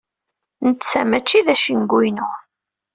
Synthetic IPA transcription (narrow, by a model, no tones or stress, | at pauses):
nət̪ːt͡sːæmæt͡ʃːiðæʃinɡʷinʊ